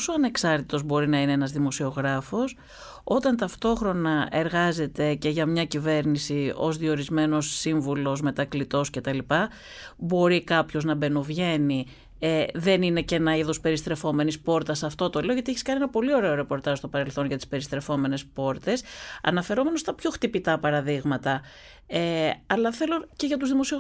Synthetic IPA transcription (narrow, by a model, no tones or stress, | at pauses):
soɐne̞ksɐɾt̪it̪o̞zbo̞ɾinɐineenɐzðimo̞sio̞ɣɾɐfo̞s | o̞t̪ɐnt̪ɐft̪o̞xɾo̞nɐe̞ɾɣɐze̞t̪e̞ce̞ʝɐmɲɐcive̞ɾnisio̞zðio̞ɾizme̞no̞sːiɱvulo̞zme̞t̪ɐklit̪o̞sce̞t̪ɐlipɐ | bo̞ɾikɐpço̞znɐbe̞no̞vʝe̞ni | eðe̞nine̞cenɐiðo̞spe̞ɾist̪ɾe̞fo̞me̞nispo̞ɾt̪ɐsɐft̪o̞t̪ole̞oʝɐt̪ieçi̥skɐnienɐpo̞lio̞ɾe̞o̞ɾe̞po̞ɾt̪ɐʒst̪o̞pɐɾe̞lθo̞nʝɐt̪i̥spe̞ɾist̪ɾe̞fo̞me̞ne̞spo̞ɾt̪e̞sɐ̰nɐfe̞ɾo̞me̞nost̪ɐpço̞xt̪ipit̪ɐpɐɾɐðiɣmɐt̪ɐ | eɐlɐθe̞loce̞ʝɐt̪uzðimo̞sio